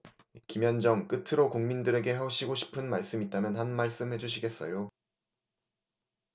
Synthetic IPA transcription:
kimjʌnd͡ʑʌŋk͈ɯtʰɯɾokuŋmindɯɾe̞ɡe̞ɦeoɕʰiɡoɕʰi̥pʰɯnmaɭs͈ɯmit̚t͈amjʌnɦanmaɭs͈ɯmhe̞d͡ʑuɕʰiɡe̞s͈ʌ̰jo

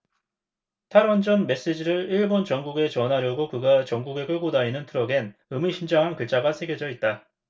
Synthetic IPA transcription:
tʰaɾwʌnd͡ʑʌnme̞s͈ed͡ʑiɾɯɭiɭbont͡ɕʌŋɡuɡe̞t͡ɕʌnɦaɾjʌɡokɯɡat͡ɕʌŋɡuɡe̞k͈ɯɭɡodainɯntʰɯɾʌɡe̞nɯmiɕʰind͡ʑaŋɦankɯɭt͡ɕ͈aɡasʰeɡjʌd͡ʑʌit̚t͈a

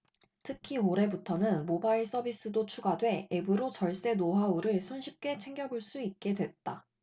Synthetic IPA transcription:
tʰɯkʰioɾe̞butʰʌnɯnmobaiɭs͈ʌbis͈ɯdot͡ɕʰuɡadwe̞ebɯɾot͡ɕʌɭs͈e̞noɦauɾɯɭsʰonɕʰip̚k͈e̞t͡ɕʰe̞ŋɡjʌbuɭs͈uit̚k͈e̞dwe̞t̚t͈a

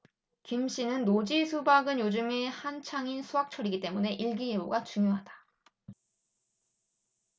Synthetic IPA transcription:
kimɕ͈ʰinɯnːod͡ʑisʰubaɡɯnjod͡ʑumehant͡ɕʰaŋinsʰuɦak̚t͡ɕʰʌɾiɡit͈e̞mune̞ʔiɭɡieboɡat͡ɕuŋjoɦad̥ḁ

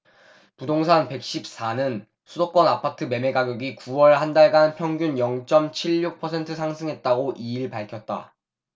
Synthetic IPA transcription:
pudoŋsʰanpe̞k̚ɕ͈ip̚s͈anɯn | sʰudok͈wʌnapʰatʰɯme̞me̞ɡaɡjoɡikuwʌɭhandaɭɡanpʰjʌŋɡjunjʌŋt͡ɕ͈ʌmt͡ɕʰiɭːuk̚pʰʌsʰe̞ntʰɯsʰaŋsʰɯŋɦe̞t̚t͈aɡoʔiiɭpaɭkʰjʌt̚t͈a̰

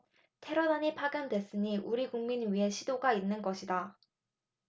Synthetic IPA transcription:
tʰe̞ɾʌdaɲipʰaɡjʌndwe̞s͈ɯɲiʔuɾiɡuŋminɥiɦe̞ɕʰidoɡainːɯnɡʌɕʰida

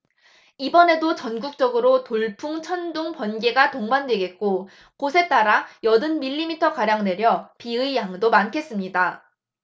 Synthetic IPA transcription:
ibʌne̞dot͡ɕʌnɡuk̚t͡ɕ͈ʌɡɯɾotoɭpʰuŋt͡ɕʰʌnduŋpwʌnɡe̞ɡatoŋbandwe̞ɡe̞t̚k͈o | kosʰe̞t͈aɾajʌdɯnmiʎːimitʰʌkaɾjaŋne̞ɾjʌpiɯijaŋdomankʰe̞s͈ɯmɲida

